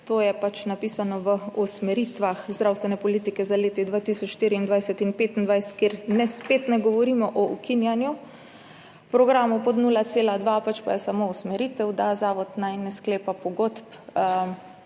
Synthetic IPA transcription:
t̪oːjɛpat͡ʃnapiːsanɔʋəusmɛɾit̪ʋaxzd̪ɾawst̪ʋɛnɛpɔliːt̪ikɛzaleːt̪id̪ʋaːt̪isɔt͡ʃʃt̪iːɾiind̪ʋajsɛt̪inpeːt̪ind̪ʋajsɛ̥t̪keɾnɛspeːt̪nɛɡɔʋɔɾimɔʔɔukinjanju | pɾɔɡɾaːmɔpɔd̪nuːlat̪seːlad̪ʋapat͡ʃpa̰jɛsamousmɛɾit̪ɛwd̪azaːʋɔd̪najnɛskleːpapɔɡot̪p

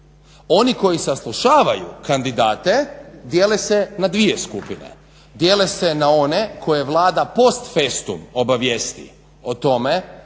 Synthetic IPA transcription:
o̞niko̞jisaslˠuʃaːʋajṵkand̪id̪aːt̪e̞d̪jeːlese̞nad̪ʋijeskupine̞̰ | d̪je̞ːlese̞nao̞ne̞kʰo̞jeʋlˠaːd̪apo̞st̪fest̪ṵmo̞baʋjest̪ḭ | ot̪o̞me̞

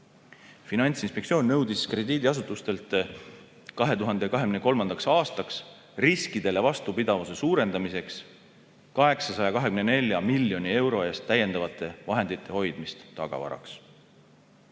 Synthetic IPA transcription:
finɑnʲt̪sinspe̞ktsio̞ːnʲnɤwd̪iskre̞d̪iːd̪iɑs̬ut̪ːˑust̪e̞lt̪ːˑ | kɑɦe̞t̪uɦɑnd̪ekɑɦe̞ɡ̥mneko̞lmɑnd̪̥ɑksɑːst̪ɑks | riskid̪̥e̞le̞vɑst̪upid̪̥ɑvusesuːɾe̞nd̪ɑmise̞ks | kɑɦe̞ksɑsɑjɑkɑɦekymnene̞lʲjɑmiljonʲie̞wɾo̞e̞ːst̪ːæje̞nd̪̥ɑvɑt̪ːˑe̞vɑɦe̞nd̪it̪ːˑe̞ho̞jd̪̥mist̪ːɑɡ̥ɑ̰vɑ̰ɾɑ̰ks

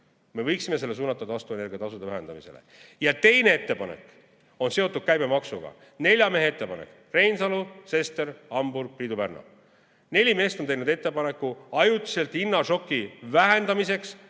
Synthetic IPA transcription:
me̞vɤ̞jksime̞selːe̞suːnɑt̪ːˑɑd̪ɑɑst̪uene̞rɡiɑt̪ɑsud̪evæɦend̪̥ɑmise̞lḛjɑt̪e̞jnee̞t̪ːe̞pɑnḛk | o̞nse̞ot̪ːˑud̪̥̚kæjbe̞mɑksṵɡ̥ɑ̰ | ne̞lʲjɑme̞ɦe̞et̪ːe̞pɑnḛk | re̞jnsɑluse̞st̪e̞ɾɑmburɡ̥̚priːd̪upærnɑ̰ | ne̞lʲime̞ːst̪o̞nt̪ejnud̪e̞t̪ːepɑne̞kːˑuɑjut̪ːi̥se̞lt̪ˑinːɑʃo̞kːivæɦend̪̥ɑmise̞ks

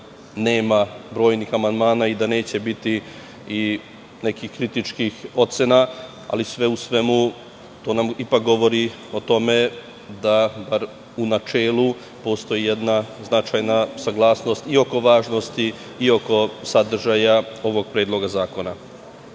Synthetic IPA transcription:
neːmabɾo̞ːjnixamand̪maːnaid̪ane̞ːt͡ɕe̞bit̪i | i | ne̞kixkɾit̪it͡ʃkixo̞t̪sena | a̰lisʋe̞usʋe̞mu | t̪o̞ːnamipak̚ɡo̞ʋo̞ɾi | o̞t̪o̞me̞ | d̪abaɾ | unat͡ʃeːlˠu | po̞st̪o̞jije̞d̪naznat͡ʃajnasaɡlˠaːsno̞st̪io̞ko̞ʋaːʒnost̪iː | o̞ko̞sad̪r̩ʒajao̞ʋo̞ɡ̚pɾeːd̪lˠo̞ɡazaːko̞na

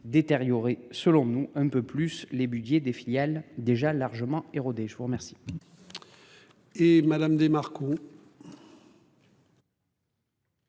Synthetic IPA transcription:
d̪et̪eʁjɔʁesəlɔ̃nuɛ̃pøplyslebyd̪jed̪efiljald̪eʒalaʁʒəmɑ̃eʁod̪eʒəvuʁəmɛʁsi̥ | emad̪amd̪emaʁkõ

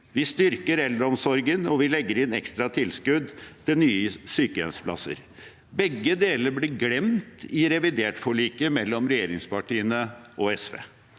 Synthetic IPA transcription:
ʋɪst̪ʏɾkəɾɛld̪ɾɔmsɔɾɡənɔʋɪlɛɡːəɾɪnɛkst̪ɾɑt̪ʰɪlskʉd̪t̪ʰɪlnyːəsyːkəɛ̰nspʰlɑ̰sə̰ɾ | bɛɡːəd̪eːləɾblɪɡlɛmt̪ɪɾɛʋɪd̪eːʈfɔɭiːkəmɛlːɔmɾɛjeːɾɪŋspɑʈiːənəʔɔɛsʋḛː

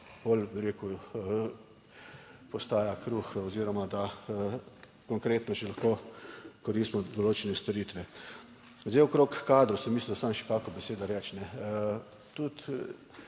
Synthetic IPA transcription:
bolbiɾeːku | pɔst̪aːjakɾuxɔziːɾɔmad̪a | kɔŋkɾeːt̪nɔʒɛlaxkoːkɔɾist̪mɔd̪ɔloːt͡ʃɛnɛst̪ɔɾiːt̪ʋɛ | zd̪ɛɪɔkɾoːkːaːd̪ɾusɛmislind̪asamʃɛ̥kakɔbɛseːd̪aɾɛt͡ʃnɛ | t̪ut̪

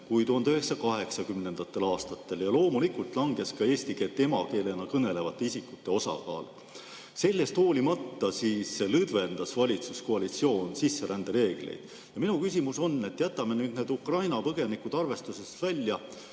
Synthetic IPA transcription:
kujt̪uɦɑnd̪̥øɦe̞ksɑkɑɦe̞ksɑkymne̞nd̪̥ɑt̪ˑːe̞lɑːst̪ɑt̪ːe̞ljɑlo̞ːmulikult̪ˑlɑŋɡe̞skɑeːst̪ike̞t̪ːˑe̞mɑke̞ːle̞nɑkɤne̞le̞vɑt̪ːˑe̞isikːˑut̪ːe̞o̞sɑ̰kɑ̰ːl | se̞lʲːe̞st̪hoːlimɑt̪ːɑsiːselɯd̪ve̞nd̪̥ɑsvɑlʲit̪suskoɑlit̪sio̞ːnsisːe̞ɾʔænd̪̥eɾe̞ːɡ̥lḛjd̪̥ | jɑminukysʲimuso̞nːe̞t̪ːjæt̪ːˑɑmenyːd̪̚neːd̪ukrɑjnɑpɤɡ̥e̞nikud̪̥ɑrve̞st̪use̞st̪vælʲːjɑ

